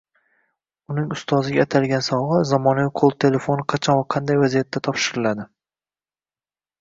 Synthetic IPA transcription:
ʊnɪŋʊst̪ʰɒzɪɡʲaːt̪ʰalɡʲansɒwʁɨzamɒnaviqʰolˠt̪ʰe̞le̞fo̞nɪqʰɑt͡ʃʰɒnvaqʰɑnd̪ajvazijat̪ʰːat̪ʰɒpʃɪɾɪlad̪ɪ

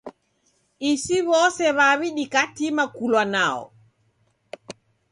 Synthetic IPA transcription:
isiβɔsɛβaβiɗikatimakulwanaɔ̰

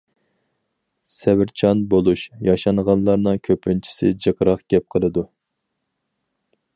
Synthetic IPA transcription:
sɛvɪɾt͡ʃʰɑnbolˠuʃjɑʃɑnʁɑnlˠɑɾnɨŋkʲʰøpʰːynt͡ʃʰi̥sɪ̰d͡ʒeqəɾɑχɡ̥ʲɛp̚qʰəlˠɨd̪u

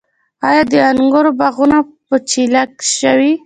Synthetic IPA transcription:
ɑjɑd̪əaŋɡʊɾobaɣunapət͡ʃilakʃəwi

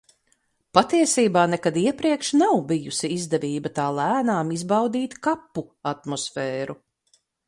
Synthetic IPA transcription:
pat̪iɛsiːbaːnɛkad̪iɛpɾiɛkʃnawbijusiizd̪ɛviːbɐt̪aːlˠæːnaːmizbawd̪iːt̪kapːuat̪mɔsfɛːɾu

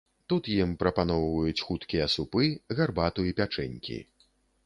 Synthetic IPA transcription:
t̪ut̪jimpɾɐpanɔwvɐjut͡sʲxut̪kʲijɐsupɨɣarbat̪uipʲat͡ʂɛnʲkʲḭ

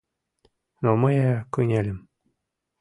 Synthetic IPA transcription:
nomɤjækyjnʲælʲɘ̆m

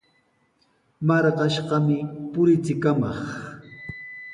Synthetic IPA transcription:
mɑɾɢɑʃɢɑmɪpʊɾɪt͡sɪkamɑχ

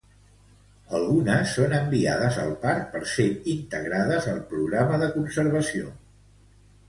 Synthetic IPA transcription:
əlˠɣunəsːonəmbia̰ð̞əzəlˠpaɾk̚pəɾseint̪əɣɾaðəzəlˠpɾuɣɾaməðəkunsəɾβ̞əsio

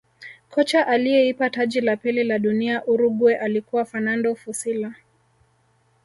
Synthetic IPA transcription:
kʰɔt͡ʃaʔaliɛipataʄilapililaɗuniaʔuɾuɡwɛʔalikuwafanandɔfusila

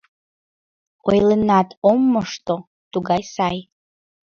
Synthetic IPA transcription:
ojlənatʰomːəʂt̪ʼo | t̪uɡajsaj

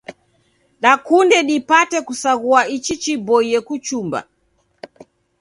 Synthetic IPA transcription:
ɗakundɛɗipatɛkusaɣuait͡ʃit͡ʃibɔiɛkut͡ʃumba̰

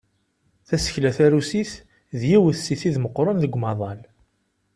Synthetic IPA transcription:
θæsə̥çlæθæɾusiθ | ðjiwəθsiθiðməqːɾˤənðəɡʷːmɑðˤɑl

